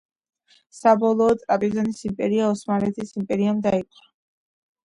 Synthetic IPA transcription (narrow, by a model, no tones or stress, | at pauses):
sabɔlˠɔːt̪ʼɾapʼizɔnisimpʼɛɾiaɔsmalɛt̪ʰisimpʼɛɾiamd̪ait̪ʼa